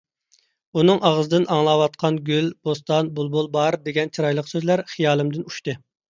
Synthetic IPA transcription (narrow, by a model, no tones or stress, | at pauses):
unɨŋʔɑʁəzɨd̪ɨnʔɑŋlˠɑwɑt̪̚qʰɑnɡʲylbost̪ɑnbolˠbolˠbɑɾd̪eɡʲɛnt͡ʃʰiɾɑjlˠəqsøzlæɾχijɑːlˠɨmd̪ɪnuʃt̪ɨ